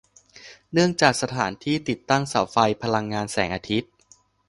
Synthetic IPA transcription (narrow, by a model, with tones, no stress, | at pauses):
nɯ˥˩əŋt͡ɕaː˨˩k̚sa˧t̪ʰaː˩˦nt̪ʰiː˥˩t̪i˨˩t̪ːa˥˩ŋsa˩˦wfa˧jpʰa˧la˧ŋːaː˧nsɛː˩˦ŋʔaː˧t̪ʰi˦˥t̪̚